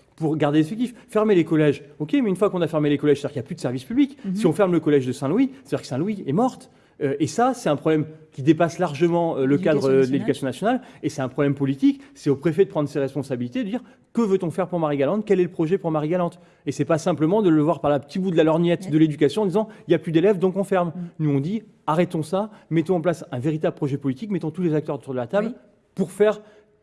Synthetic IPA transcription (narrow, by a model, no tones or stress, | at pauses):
puʁɡaʁd̪eefɛk̚t̪iffɛʁmelekɔlɛʒokʲemɛynfwakɔ̃nafɛʁmelekɔlɛʒst̪ad̪iʁkijaplyd̪əsɛʁvispybliksiɔ̃fɛʁmləkɔlɛʒd̪əsɛ̃lwiet̪d̪iʁkəsɛ̃lwiɛmɔʁt̪ | øesasɛt̪ɛ̃pχɔblɛmkʲid̪epaslaʁʒəmɑ̃øləkad̪ʁəd̪əled̪ykasjɔ̃nasjɔnalesɛt̪ɛ̃pχɔblɛmpɔlit̪iksɛopχefɛd̪əpχɑ̃d̪ʁseʁɛspɔ̃sabilit̪ed̪əd̪iʁ | kəvøt̪ɔ̃fɛʁpuʁmaʁiɡalɑ̃t̪kʲɛlɛləpχɔʒɛpuʁmaʁiɡalɑ̃t̪ | esɛpasɛ̃pləmɑ̃d̪ələvwaʁpaʁləpə̥t̪ibud̪əlalɔʁnjɛt̪d̪əled̪yk̬ʲasjɔ̃ɑ̃d̪izɑ̃iljaplyd̪elɛvd̪ɔ̃kɔ̃fɛʁmnuɔ̃d̪i | aʁɛt̪ɔ̃samɛt̪ɔ̃ɑ̃plasɛ̃veʁit̪abləpχɔʒɛpɔlit̪ikmɛt̪ɔ̃t̪ulezak̚t̪œʁot̪uʁd̪əlat̪abl | puʁfɛʁ